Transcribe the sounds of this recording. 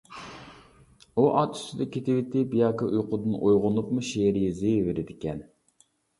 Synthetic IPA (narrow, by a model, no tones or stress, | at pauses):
uʔɑt̪y̥sɪd̪ɛkʲʰːet̪ʰɪwɪt̪ʰɪbijɑːkɑʔujqʊd̪ɨnʔojʁʊnupmuʃeɾɪjɛzeveɾɪd̪ɪkʲɛn